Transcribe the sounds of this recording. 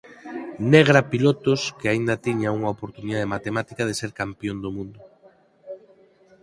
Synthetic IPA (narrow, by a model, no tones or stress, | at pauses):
neɣ̞ɾapilot̪ʊskɪaind̪ɐt̪iɲauŋaopoɾt̪uniðað̞emat̪emat̪ikað̞eseɾkampjond̪omũnd̪ʊ